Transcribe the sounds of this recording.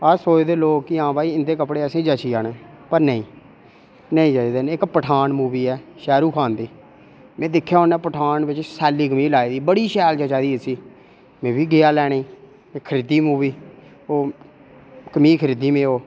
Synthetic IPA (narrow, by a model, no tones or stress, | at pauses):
əsoːd͡ʒd̪eːloːkːɪãːbaːiːɪnd̪eːkəpɽeːəsẽːd͡ʒat͡ʃiːaːnẽːpəɾnəĩː | nəĩːd͡ʒad̪eːnɪkpəʈʰaːnmuːʋiːɛːʃɛːɾuːkʰaːnd̪iː | mɛ̃ːd̪ɪkʰːjaːoːnɛːpəʈʰaːnbɪt͡ʃsɛːliːkəmiːlaːiːd̪iːbəɽiːʃɛːlt͡ʃət͡ʃaːd̪iːəsiː | mẽːbʱiːɡɪaːlɛːɽeiː | ɪkʰːəɾɪd̪iːmuːʋiː | oː | kəmiːkʰəɾid̪iːmẽːoː